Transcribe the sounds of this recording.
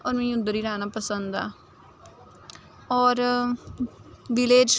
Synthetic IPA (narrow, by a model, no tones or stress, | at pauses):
ɔːɾmɛ̃ːʊd̪ːəɾiːɾaːnaːpəsənd̪a̰ː | ɔːɾ | ʋɪleːd͡ʒ